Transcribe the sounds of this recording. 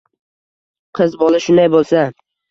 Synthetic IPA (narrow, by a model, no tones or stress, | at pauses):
qʰɨzbɒlˠɪʃʊnd̪ajbolˠsa